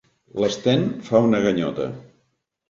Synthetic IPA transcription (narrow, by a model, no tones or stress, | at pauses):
ləst̪ɛnfaunəɣəɲɔ̰t̪ə̰